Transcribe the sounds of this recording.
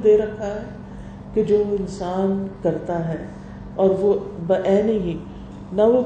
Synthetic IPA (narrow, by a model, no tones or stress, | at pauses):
d̪eːɾɐkʰːaɦɛ | ked͡ʒoːɪnsaːnkɐɾt̪aɦɛː | ɔːɾʋobɐʔɛːneɦi | naʋo